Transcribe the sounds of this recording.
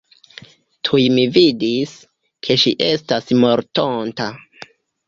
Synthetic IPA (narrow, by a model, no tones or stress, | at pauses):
tʰujmividis | kʰe̞ʃiʔe̞stasmo̞ɾtonta